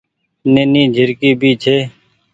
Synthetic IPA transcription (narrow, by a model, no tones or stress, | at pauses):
neːnĩːd͡ʒʱɪɾkiːbʱiːt͡ʃʰeː